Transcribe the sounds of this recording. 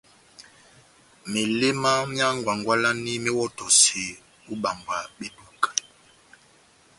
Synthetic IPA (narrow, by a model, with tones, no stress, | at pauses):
me˨le˦ma˦mja˦ŋɡwa˨ŋɡwa˦la˦ni˦me˦wɔ˦tɔ˨se˨ | u˦ɓa˨ŋɡwa˨ɓe˦tu˨ka˨